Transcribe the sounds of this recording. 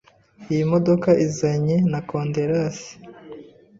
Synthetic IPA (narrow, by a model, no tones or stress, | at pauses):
ijimodokaʔizaɲinakoːndeɾasi̥